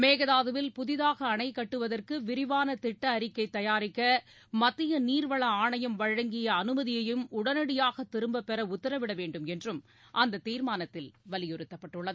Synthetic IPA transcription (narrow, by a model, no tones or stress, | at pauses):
meːɣɐðaːðɯʋɪlpʊðɪðaːɣɐːɳɐɪkːɐʈːɯʋɐðɐrkɯʋɪɾɪʋaːnɐt̪ɪʈːɐːɾɪkːɐɪt̪ːɐjaːɾɪkːɐ | mɐt̪ːɪjɐniːɾʋɐɭɐaːɳɐjɐmʋɐɻɐŋɡɪjɐːnɯmɐðɪjɐjɯmʊɽɐnɐɽɪjaːɣɐt̪ːɪɾɯmbɐpːɛɾɐʊt̪ːɐɾɐʋɪɽɐʋeːɳɖɯmɛndrɯm | ʔɐnd̪ɐt̪iːɾmaːnɐt̪ːɪlʋɐlɪjɔɾɯt̪ːɐpːɐʈːɯɭːɐðɯ